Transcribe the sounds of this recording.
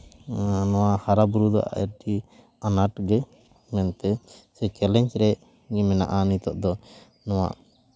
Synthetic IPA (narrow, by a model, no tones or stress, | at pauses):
nɔwahaɾabuɾud̪ɔʔa̰ɛ̰ɾʈi | anaʈɡɛ | mɛnp̪ɛsɛkɛlɛɲt͡ʃɾɛʔ | ɛmɛna̰ʔanit̪ɔʔd̪ɔ | nɔwa̰